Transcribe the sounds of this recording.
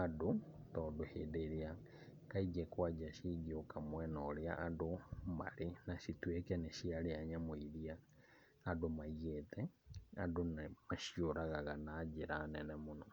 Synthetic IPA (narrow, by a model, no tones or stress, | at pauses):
adotɔdohḛdeɾia | kaid͡ʒɛkwad͡ʒaʃiɡiokamwɛnɔɾeaʔadoma̰ɾenaʃitwekɛnɛʃialeaɲamoiɾiaː | domaiɣetɛa̰donmaʃjoɾaɣaɣanaːd͡ʒeɾaːnɛnɛmonɔ